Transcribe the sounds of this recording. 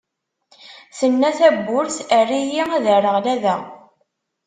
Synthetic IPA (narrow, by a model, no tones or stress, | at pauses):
θənːæθæbːʊɾθərːijiæðərːəʁlæðæ